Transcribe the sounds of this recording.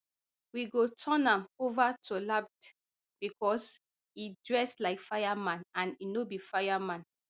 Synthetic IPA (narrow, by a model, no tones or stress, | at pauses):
wiɡotʰɔ̃nãmovatʰulap̚t | b̥ikɔs | idɹɛslaɪkfajamãnãninobifajamãn